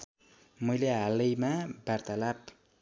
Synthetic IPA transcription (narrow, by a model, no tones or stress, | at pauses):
mʌjleɦalʌjmabart̪alap